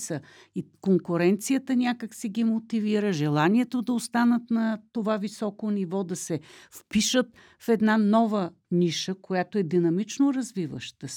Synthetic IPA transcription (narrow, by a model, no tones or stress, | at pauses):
sə | ikoŋkʊɾɛnt̪sijət̪ənʲakəksiɡimot̪iviɾəʒɛlˠaniɛt̪od̪ɐost̪anət̪nɐt̪ovavisɔkonivɔd̪ɐsɛfpiʃət̪ | fɛd̪nanɔvənʲiʃəkojat̪oɛd̪inɐmit͡ʃnoɾɐzvivə̰ʃt̪ə